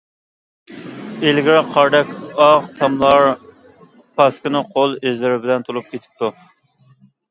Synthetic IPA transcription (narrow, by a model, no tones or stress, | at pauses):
elɡʲɪɾɪqʰɑɾd̪ɛkʲɑʁt̪ʰɑmlˠɑɾ | pʰɑskʲɪnɨqʰolˠezlɪɾɪbɪlɛnt̪ʰolˠup̚kʲʰet̪ʰɪ̥p̚t̪ʰu